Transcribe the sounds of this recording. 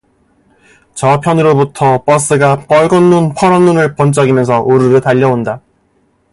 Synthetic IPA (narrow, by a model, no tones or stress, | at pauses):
t͡ɕʌpʰjʌnɯɾobutʰʌp͈ʌs͈ɯɡap͈ʌɭɡʌnːunpʰʌɾʌnːunɯɭpʌnt͡ɕ͈ʌɡimjʌns̬ʰʌʔoɾɯɾɯtaʎːʌonda